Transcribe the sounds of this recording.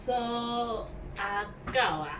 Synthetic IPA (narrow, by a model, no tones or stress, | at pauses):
so | a | kawa